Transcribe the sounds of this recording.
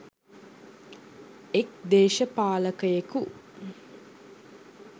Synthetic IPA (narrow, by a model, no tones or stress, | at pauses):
ekd̪eːʃəpaːləkəjeku